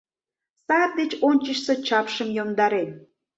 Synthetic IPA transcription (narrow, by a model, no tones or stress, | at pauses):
sɑrd̪et͡ɕonʲt͡ɕəʃse̽t͡ɕɑpʃəmjomd̪ɑɾen